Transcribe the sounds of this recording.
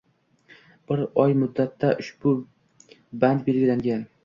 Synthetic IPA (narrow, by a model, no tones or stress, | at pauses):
b̥ɪɾɒjmʊd̪ːat̪ʰːaʔʊʃb̥ʊ | band̪be̞ɾɡʲɪlaŋɡʲan